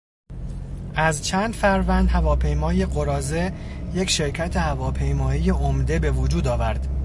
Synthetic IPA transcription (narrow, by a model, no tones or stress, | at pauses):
ʔæzt͡ʃʰæːnd̪fæɾvænd̪hævɒːpʰe̞jmɒːje̞ɢo̞ɾɒːze̞ | jecʰʃe̞ɾcʰæt̪ʰe̞hævɒːpʰe̞jmɒːijeʔomd̪e̞be̞vod͡ʒuːd̪ɒːvæɾd̪̥